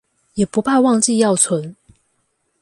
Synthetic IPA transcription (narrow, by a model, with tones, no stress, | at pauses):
jɛ˨˩pu˨˦pʰa˥˧wɑ˥˧ŋt͡ɕi˥˧jɑ˥˨ʊt͡sʰwə˨˦n